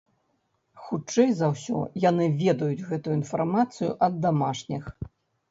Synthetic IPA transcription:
xut͡ʂɛjzɐwsʲɔ̰janɨvʲɛd̪ɐjud͡zʲɣɛt̪ujuinfarmat̪sɨjṵʔɐd̪ːamaʂnʲix

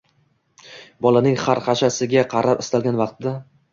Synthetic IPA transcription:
bɒlanɪŋχaɾqɑʃasɪɡʲaqʰɑɾʔapɪst̪alˠɡʲanvɑq̚t̪ɪd̪a

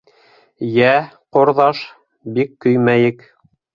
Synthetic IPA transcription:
jæqŏɾðɑʃ | bikːɵ̆jmæjɘk

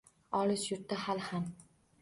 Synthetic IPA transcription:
ɒlɪʃjʊɾt̪ːahalham

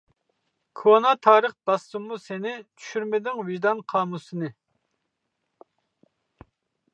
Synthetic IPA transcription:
kʰonɑt̪ʰɑːɾəχd̪̥ɑsumːusenɪt͡ʃʰy̥ʃyɾmɪd̪ɪŋvɪʒd̪ɑnqʰɑːmusɨnɨ

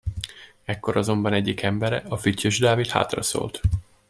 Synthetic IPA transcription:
ɛkːo̞ɾɒzo̞mbɒnɛɟːikʰɛmbɛɾɛ̰ɒfycːøʒd̪aːvit̪ha̰ːt̪rɒ̰so̰ːlt̪

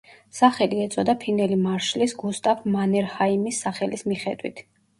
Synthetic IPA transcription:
saχɛliɛt̪sʼɔd̪apʰinɛlimaɾʃlisɡust̪ʼavmanɛɾhaimisːaχɛlismiχɛd̪wḭt̪ʰ

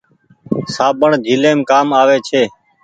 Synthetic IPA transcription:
saːɓəɳd̪ʱiːleːmkaːmaːʋeːt͡ʃʰeː

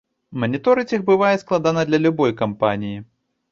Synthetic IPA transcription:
mɐnʲit̪ɔɾɨt͡sʲixbɨvajɛsklˠad̪anɐd̪lʲɐlʲubɔjkampanʲiji

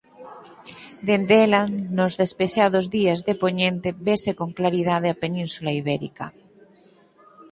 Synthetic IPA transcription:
d̪end̪elanozðespeʃað̞ozðiazðepoɲẽnt̪eβesekoŋklaɾið̞að̞eapenĩnsulaiβ̞eɾḭka

